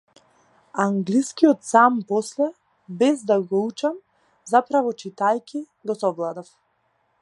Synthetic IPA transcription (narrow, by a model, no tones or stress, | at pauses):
aŋɡliskijɔt̪sampɔslɛ | bɛzd̪aɡɔut͡ʃam | zapɾavɔt͡ʃit̪ajkʲi | ɡɔsɔvlˠad̪af